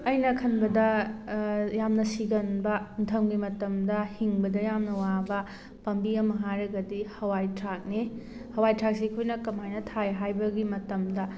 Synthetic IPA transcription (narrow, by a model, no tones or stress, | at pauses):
ɐjnɐkʰɐnbɐdɐ | jamnɐsiɡɐnbɐntʰɐmɡimɐtɐmdɐhiŋbɐdɐjamnɐwabɐ | pɐmbiɐmɐɦaɾɐɡɐdihɐwajtʰɾak̚ni | hɐwajtʰak̚sekʰojnɐkɐmajnɐtʰajɦajbɐɡimɐtɐmdɐ